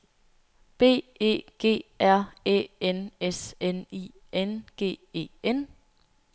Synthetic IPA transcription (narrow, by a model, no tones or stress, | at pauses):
b̥e̝̰ːe̝̰ːɡ̥e̝̰ːæɐ̰ḛːeneseni | enɡ̥e̝̰ːe̝̰ːen